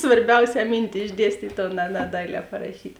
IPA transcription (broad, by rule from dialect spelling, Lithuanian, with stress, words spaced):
sʋɐrʲˈbʲɛʊsʲɛː ˈmʲiːnʲtʲɪ ɪʒʲˈdʲiɛsʲtʲiːtʲ oː nʲɛ nʲɛ ˈdɐɪlʲɛː pɐrɐˈʃʲiːtʲ